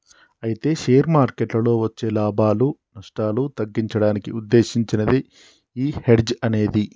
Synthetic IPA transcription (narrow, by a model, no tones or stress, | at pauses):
ɐjit̪e̞ːʃeːjɾmaːɾkeʈlɐlo̞ːʋɐt͡ʃːe̞ːlaːbʱaːlunɐʂʈaːlut̪ɐɡːiɲt͡ʃɐɽaːnikiud̪ːe̞ːʃiɲt͡ʃinɐd̪i | iːheɖd͡ʒɐne̞ːd̪i